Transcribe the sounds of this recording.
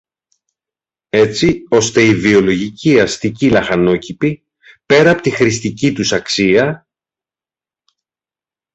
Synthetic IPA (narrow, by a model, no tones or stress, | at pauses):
e̞t͡sio̞st̪e̞ivio̞lo̞ʝiciɐst̪icilɐxɐno̞cipi | pe̞ɾɐːpo̞t̪ixɾist̪icit̪usɐksiɐ